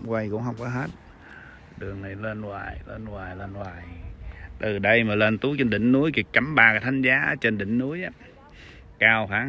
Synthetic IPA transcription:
kwa˧jkʊ̰˧˥ŋ͡mɦə˧wŋ͡mkɔ˨˦ɦe˦˥t̚ | ɗɨ˨˩əŋna˨˩jlə˧nwaː˨˩jle˧nwaː˨˩jləː˧nwaː˨˩jt̪ɨ˨˩ɗə˧jmaː˨˩leː˧nt̪u˨˦˥k̚t͡ɕə˧nɗḭ̈˧˨ŋ̟nu˨˦əjki˨˩kka˨˩˦mɓaː˨˩kaː˨˦t̪ʰːŋ̟zaː˨˦ʔə̰˧˦t͡ɕə˧nɗï˧˨ŋ̟nu˨˦əjʔaː˦ | kaː˧wxwaː˨˦

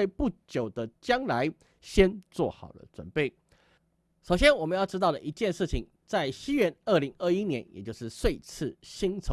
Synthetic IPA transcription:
e˥˧ɪpu˥˩t͡ɕjo˨˩ʊd̪ə˦t͡ɕjɑ˥ŋla˧˦ɪ | ɕjɛ˥nt͡swɔ̰˥˩xɑ̰˨˩ʊlə̰˦ʈ͡ʂwə̰˨˩npe˥˩ɪ | ʂo˨˩ʊɕjɛ˥nwɔ˨˩mə˨˦njʊʈ͡ʂɻ̩˥t̪ɑ˥˩ʊd̪ə̰˨˩ʔi˧˥t͡ɕjɛ˥˧nʂɻ̩˥˩t͡ɕʰi˨˩ŋ | t͡sa˥˩ɪɕi˥ɥɛ˥˧nə˥˩li˧˥ŋə˥˩i˥njɛ˧˥njɛ̰˨˩t͡ɕjo˥˧ʊʂɻ̩˥˧swe˥˧ɪt͡sʰɹ̩˥˩ɕi˥ŋt͡sʰo˧

